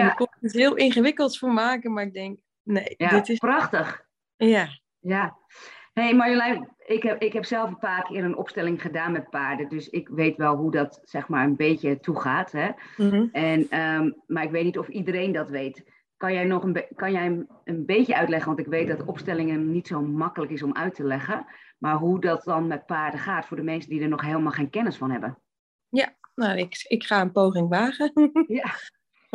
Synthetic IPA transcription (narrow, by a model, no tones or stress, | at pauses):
jaəkɔnətɦɪəlˠɪnχəʋɪkəlˠtfoːmaːkəmaɪɡ̚dɛŋk | nejaɪtsprɑxtəx | ja | ja | hejmajəlɛjɪkɛɪkɦɛpsɛlˠfəpaːrkʰɪəɾənɔ̰pstɛlɪŋχədaːnmɛt̚paːɹdədøsɪkʋeːtʋɛlˠɦudɔtsɛxmaɹənbeːcətʰuχaːtɦɛ | ɛnəmaɹɪkʋejtnitɔfidəɾejndɑtʋejt | kɑnjɛjnɔχənkɑnjɛjənbejtəʔœɥtlɛχənʋɑntɪkʋejt̚dɑtɔpstɛlɪŋənitsowmɑkələkɪs̬ɔmʔœɥtʰəlɛχəmaːɹɦudɔt̚dɔnmɛt̚paːɹdəχaːtfʊːɹdəmɛnsədidəɹnɔχɦeːlˠmalˠχejnkɛnəsfɑnɦɛbə | janaɪkɪkχaːənpowχɪŋʋaːɣəja